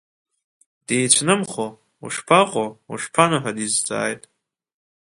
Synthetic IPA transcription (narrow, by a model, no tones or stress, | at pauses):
d̥ejt͡ɕʷʰnɨmχo | ṵʂpʰaqʷʼoṵʂpʰanaħadizd͡za̰ːjtʼ